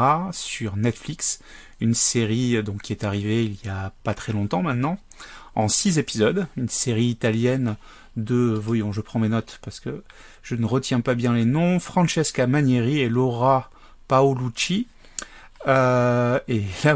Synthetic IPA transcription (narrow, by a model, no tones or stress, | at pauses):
asyʁnɛt̪fliks | ynseʁid̪ɔ̃kʲːiɛt̪aʁiveiljapat̪χɛlɔ̃t̪ɑ̃mɛ̃t̪nɑ̃ | ɑ̃sizepizɔd̪ynseʁiːt̪aljɛn | d̪əvɔjɔ̃ʒəpχɑ̃menɔt̪paʁsə̥kə | ʒ̥ənəʁət̪jɛ̃pabjɛ̃lenɔ̃fχɑ̃ʃɛskamaneʁielɔʁa | paolut͡ʃi | ø | ela